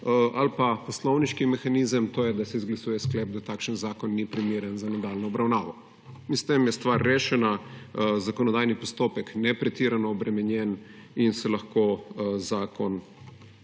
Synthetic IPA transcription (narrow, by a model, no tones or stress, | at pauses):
a̰lpapɔslɔwniʃkimɛxanizəmt̪oːjɛd̪asɛizɡlasuːjɛsklɛːb̚d̪at̪aːkʃənzaːkɔnːipɾimiːɾənzanɛd̪alnɔːbɾawnaːʋɔ | inst̪emjɛst̪ʋaɾːeːʃɛnazakɔnɔd̪aːjnipɔst̪oːpɛknɛpɾɛt̪iɾanɔːbɾɛmɛnjɛn | insɛlaxkozaːkɔn